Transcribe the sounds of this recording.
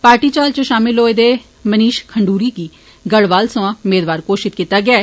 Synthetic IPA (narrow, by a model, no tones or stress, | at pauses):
paːɾʈiːt͡ʃaːlt͡ʃõʃaːmɪlɦoːed̪eː | məniːʃkʰəɳɖuːɾiːkiː | ɡəɽʋaːlsõãːʊmeːd̪ʋaːɾkoːʃɪt̪̚kiːt̪ːaːɡɪaːɛː